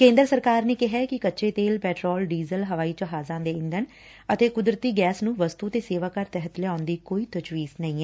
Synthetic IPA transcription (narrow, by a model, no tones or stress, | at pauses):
kẽːnd̪əɾsəɾkaːɾneːkɪɦɛːkɪkətːʃeːt̪eːlpɛːʈɾɔːlɖiːzəlɦəʋaːiːt͡ʃəɦaːzãːd̪eːɪ̃nd̪ən | ət̪eːkʊd̪ɾət̪iːɡɛːsnũːʋəst̪uːt̪eːseːʋaːkəɾt̪ɛɦət̪lɛaːʊnd̪iːkoːiːt̪ət͡ʃʋiːznəĩːɛː